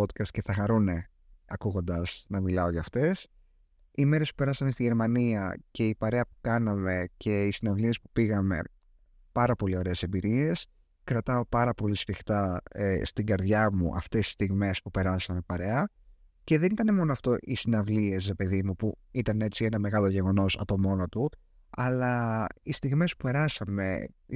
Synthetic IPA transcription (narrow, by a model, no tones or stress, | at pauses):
ot̪kɐst̪ce̞θɐxɐɾune̞ | ɐkuɣo̞nd̪ɐsnɐmilɐo̞ʝɐft̪e̞s | ime̞ɾe̞spu̥pe̞ɾɐsɐme̞st̪iʝe̞ɾmɐniɐce̞ipɐɾe̞ɐpu̥kɐnɐme̞ce̞isinɐvlie̞spu̥piɣɐme̞̰ | pɐɾɐpo̞lio̞ɾe̞ːse̞mbiɾie̞s | kɾɐt̪ɐo̞pɐɾɐpo̞lisfixt̪ɐest̪iɡɐɾðʝɐmṵʔɐ̰ft̪e̞si̥st̪iɣme̞spupe̞ɾɐsɐmepɐɾe̞ɐ | ce̞ðe̞nit̪ɐne̞mo̞noɐft̪o̞ʔisinɐvlie̞s̬ɾe̞pe̞ðimupuit̪ɐne̞t͡sie̞nɐme̞ɣɐlo̞ʝe̞ɣo̞no̞sɐ̰t̪omo̞not̪u | ɐlɐist̪iɣme̞spupe̞ɾɐsɐme̞̰